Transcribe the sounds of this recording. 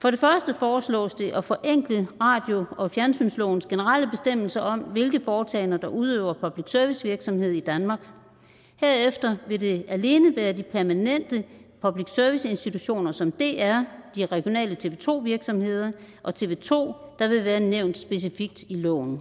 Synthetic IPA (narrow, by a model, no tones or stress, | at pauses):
fɒ̽ɾ̥e̝fɶɐsd̥əfɒːslɔ̰̽ːsd̥e̝ʔɒfɒ̽ʔeŋ̰ɡ̥ləʁɑ̈ːd̥jo̝ɒ̽fjæɐnsy̰nslɔ̰ːn̩sɡ̥e̝nəʁɑl̰əb̥e̝sd̥em̰l̩sɐʔɒ̽m̰ʋe̝lɡ̥ðˠfɒːt͡sʰɛ̰ːɪnɐd̥ɑ̈ʔuð̞ˠø̰ʊ̰ɐpʰɒ̽b̥liɡ̥sœɐʋisʋiɐɡ̥sɒ̽mhe̝ð̞̰ˠid̥ænmɑ̈ːɡ̥ | hæɐefd̥ɐʋe̝de̝æle̝ːnəʋæːɐd̥ipʰæɐmænen̰d̥əpʰɒ̽b̥liɡ̥sœɐʋise̝nsd̥it͡sʰuɕo̝̰ːnɐsɒ̽md̥e̝æɐd̥iʁɛɡ̥jo̝nɛ̰ːlət͡sʰe̝ʋe̝t͡sʰo̝̰ːʋiɐɡ̥sɒ̽mhe̝ð̞̰ˠɐ | ʔɒ̽t͡sʰe̝ʋe̝̰ːt͡sʰo̝̰ːd̥ɑ̈ʋe̝ʋæːɐneʊ̰nd̥sb̥e̝s̬ifiɡ̥̚d̥ilɔ̰ːn